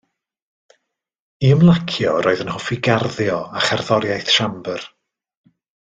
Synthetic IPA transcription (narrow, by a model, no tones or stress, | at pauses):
iəmlˠakʰjɔɾoːɨðənhɔfiɡarðjɔaχarðɔɾjajθʃambər